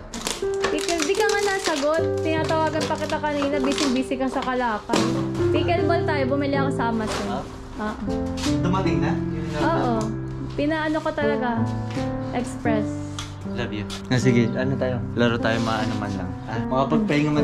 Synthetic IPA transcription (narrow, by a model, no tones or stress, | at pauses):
piːkɛlnd̪ikɐŋanaːsɐɡot̪̚ːɪnaːt̪ɐwaːɡɐnpɐkɪt̪akɐniːnɐbiːsɪŋbiːsɪkɐsɐkɐlaːkɐnpiːkɛlmont̪aːjobʊmɪlɪʔɐŋsaːmɐsɛ | ʔoːʔod̪ʊmɐt̪ɪŋnɐʔoːʔo | pɪnaːʔɐnokot̪ɐlɐɡa | ʔɛkspɾɛs | lɐbjʊ | ŋasɪɡɛɐnot̪aːjolaɾot̪aːjomɐaʔɐnɐmɐ̰nlɐ̰ŋʔamɐkɐpɐɡ̚pɐɪŋoŋɐ